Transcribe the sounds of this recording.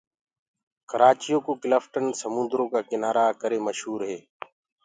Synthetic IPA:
kəɾaːt͡ʃɪjoːkoːkɪləfʈənsəmʊ̃nd̪ɾõːkaːkɪnaːɾaːkəɾeːməʃɦuːɾɦeː

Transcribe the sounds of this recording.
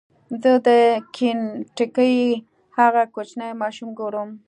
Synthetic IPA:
zəd̪əkʰinʈəkəj | haɣakot͡ʃnajmɑʃumɡoɾum

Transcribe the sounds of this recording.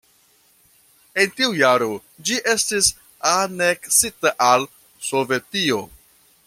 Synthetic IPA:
e̞ntiujaɾo̞ | d͡ʒiʔe̞stis | ane̞ksitaʔal | so̞ve̞tio̞

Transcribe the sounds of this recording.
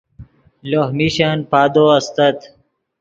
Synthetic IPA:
loɦmiɕanpaːd̪oɐst̪ɐt̪

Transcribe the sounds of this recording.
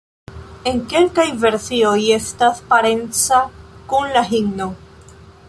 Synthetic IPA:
e̞ŋke̞lkajve̞ɾsio̞je̞staspaɾe̞nt͡sakunlaɦiɡno

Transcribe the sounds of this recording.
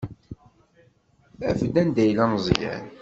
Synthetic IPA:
æfəd̪ænd̪æjlænzˤjæ̰n

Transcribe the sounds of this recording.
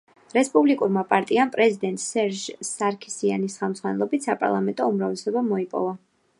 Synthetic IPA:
ɾɛspʼublikʼuɾmapʼaɾt̪ʼiampʼɾɛzid̪ɛnt̪ʼsɛɾʒsaɾkʰi̥sia̰nisχɛlˠmd̪zʁwanɛlˠɔbit̪sapʼa̰ɾlˠamɛnt̪ʼɔumɾavlɛsɔbamɔipʼɔ̰va

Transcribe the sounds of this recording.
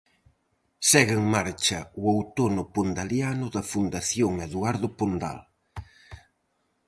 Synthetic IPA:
sɛɣeŋmaɾt͡ʃɐʊowt̪onʊpond̪aljanʊðɐfund̪aθjoŋeðuaɾðʊpond̪a̰l

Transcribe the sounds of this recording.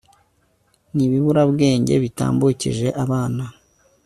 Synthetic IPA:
niβiβuɾabɡe̞ːɲɟe̞̰βita̰ːmbucḭʒe̞ʔaβaːna

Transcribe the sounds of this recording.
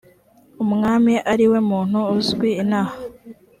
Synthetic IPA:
umŋaːmiʔaɾiwe̞muːn̥huːzɡwiːnaːha

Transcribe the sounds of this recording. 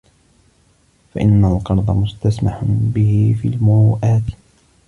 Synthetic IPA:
faʔɪnːalqɑɾˤd̪ˤɑmʊst̪asmaħbɪhɪfḭːlmʊɾuːʔaːt̪

